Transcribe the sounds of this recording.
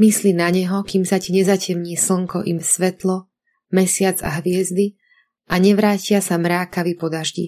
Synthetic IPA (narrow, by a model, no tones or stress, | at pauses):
mislinaɲɛɦɔkiːmsaciɲɛzacɛmɲiːsl̩ŋkɔʔimsʋɛt̪lɔ | mɛsɪad͡za̰ɦʋɪɛzd̪i | ʔaɲɛʋɾaːcɪasamɾaːkaʋipɔd̪aʒɟḭ